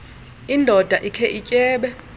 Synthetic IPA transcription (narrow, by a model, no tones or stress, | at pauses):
indʱɔd̥ʱaʔikʰɛʔicʼɛːɓɛ